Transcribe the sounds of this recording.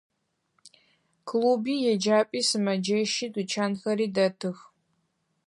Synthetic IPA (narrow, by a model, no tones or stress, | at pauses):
kʰluːbiːjɛd͡ʒaːpʼiːsɨmɐd͡ʒɐʃidut͡ʃʰaːnxɐɾiːdɐtʰɨx